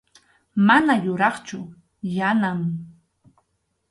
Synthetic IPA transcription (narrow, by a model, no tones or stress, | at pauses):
manajʊɾɑχt͡ʃʊ | janam